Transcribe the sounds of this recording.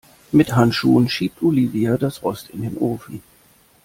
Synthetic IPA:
mɪthantʃuːənʃiːp̚tʰʔoliːviadasʁɔstɪndeːnʔoːfi

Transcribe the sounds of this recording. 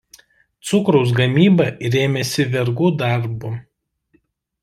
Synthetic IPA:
t̪sʊkɾɔʊs̬ɡɐmʲiːbɐɪɾʲeːmʲɛsʲɪʋʲɛɾɡuːd̪ɐˑɾbʊ

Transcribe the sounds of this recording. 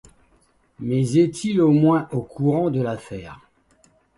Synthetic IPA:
mɛzɛt̪ʰilomwɛ̃ʔokʰuʁɑ̃d̪əlafɛːʁ

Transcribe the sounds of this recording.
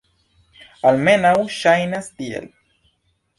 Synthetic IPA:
almenawʃajnast̪iḛl

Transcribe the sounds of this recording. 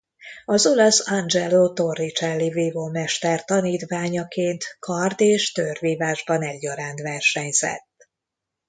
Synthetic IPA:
ɒzo̞lɒsɒnd͡ʒɛlot̪o̞rːit͡ʃɛlːiviːvoːmɛʃt̪ɛrt̪ɒniːt̪ʋaːɲɒkeːnt̪kʰɒrd̪eːʃt̪ørviːvaːʒbɒnɛɟːɒɾaːnt̪ʋɛrʃɛɲz̥ɛ̰t̪ː

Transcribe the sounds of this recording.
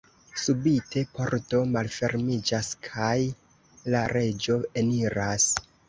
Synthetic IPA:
subitʰe̞po̞ɾto̞malfe̞ɾmid͡ʒaskʰaj | laɾe̞d͡ʒo̞eniɾas

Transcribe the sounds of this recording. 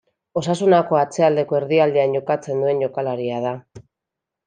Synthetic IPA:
o̞sasunako̞at͡se̞ald̪e̞ko̞e̞ɾðiald̪eanɟo̞kat͡se̞nd̪ue̞nɟo̞kalaɾiað̞a

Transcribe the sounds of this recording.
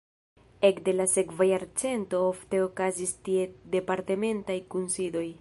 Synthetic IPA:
e̞kde̞lase̞kvajaɾt͡se̞nto̞ofte̞okazistie̞de̞paɾte̞me̞ntajkunsido̞j

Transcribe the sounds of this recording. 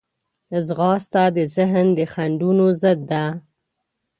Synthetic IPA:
zɣɑst̪ad̪əzɪɦnd̪əxaɳɖunozəd̪ːa

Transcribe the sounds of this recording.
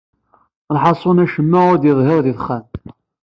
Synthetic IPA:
ɾħɑsˤʊnæʃəmːæʊd̪jəðˤɦɪɾˤðiθχːænt̪

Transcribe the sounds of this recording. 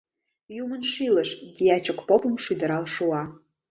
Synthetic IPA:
jumənʃilə̆ʃd̪ʲiɑt͡ɕokpopə̆mʃyd̪ə̆ɾɑlʃuɑ

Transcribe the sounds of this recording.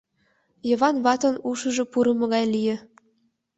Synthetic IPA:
jɤ̆βɑnβɑt̪ɤ̆nuʃə̆ʒɤ̆puɾɤ̆mɤ̆ɣɑjlijĕ

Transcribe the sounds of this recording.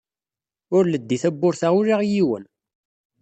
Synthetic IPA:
ʊɾləd̪ːiθæbːʊɾθaʁuɾaʁjiwə̰n

